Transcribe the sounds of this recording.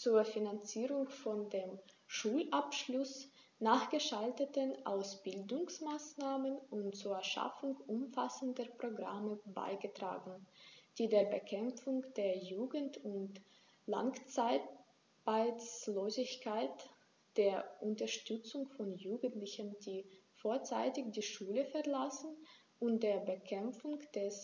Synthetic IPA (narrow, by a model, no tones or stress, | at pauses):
t͡suːɐfinant͡siːʁʊŋfɔndeːm | ʃuːlʔapʃlʊs | naːχɡ̥əʃaltətənʔaʊsb̥ɪldʊŋsmaːsnaːmənʔʊntt͡suːɐɐʃa̰fʊŋʔʊmfasəndəpʁ̥oɡʁa̰məba̰ɪɡətʁ̥a̰ːɡŋ̩d̥iːdeːɐbəkʰɛmp͡fʊŋkd̥eːɐjuːɡn̩tʊnt | la̰ŋt͡saɪ | b̥aɪt͡sloːzɪçkaɪt | d̥eːɐʔʊntɐʃtʏt͡sʊŋfɔnjuːɡŋ̩tlɪçəndiːfoːɐt͡sa̰ɪtɪçd̥iːʃuːləfɛɐlasn̩ | ʔʊntd̥eːɐbəkʰɛmp͡fʊŋd̥ɛs